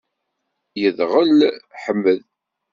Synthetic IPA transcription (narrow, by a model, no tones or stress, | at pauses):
jəðʁəlħəmːəð